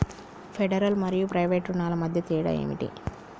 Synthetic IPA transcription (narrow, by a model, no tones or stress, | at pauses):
pʰeɖɐɾɐlmɐɾijupɾɐjʋeːʈɾunaːlɐmɐd̪ʱjɐt̪iːɽɐ̰jḛːmḭʈḭ